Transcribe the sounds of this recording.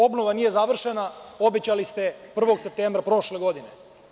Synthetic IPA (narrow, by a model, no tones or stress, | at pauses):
o̞bnoʋanije̞zaʋr̩ʃenao̞bet͡ɕalist̪e̞pr̩ʋo̞ɡsep̚t̪eːmbɾapɾo̞ʃle̞ɡo̞d̪ine